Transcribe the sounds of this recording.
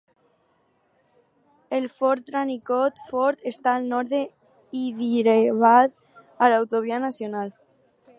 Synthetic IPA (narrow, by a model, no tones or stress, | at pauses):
elfɔɾt̪ːɾanikot̪fɔɾt̪est̪aːlnɔɾðe | iðiɾeβat̪ | alawt̪oβianasjonal